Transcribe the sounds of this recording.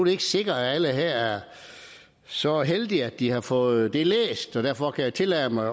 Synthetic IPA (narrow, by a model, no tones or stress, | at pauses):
d̥e̝e̝ɡ̥əse̝ɡ̥ɐææləɦeɐ̰æɐ | sɒ̽ɦeld̥iæd̥̚ihɑ̈fɔ̽ːð̩ˠd̥e̝lḛːsd̥ɒ̽d̥æɐfɒ̽kʰæjaɪt͡sʰe̝læːmɑ̈ɪ